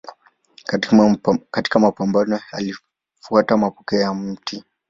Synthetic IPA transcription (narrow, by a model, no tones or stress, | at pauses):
kati̥kamapambanɔali | fuatamapɔkɛjam̩ti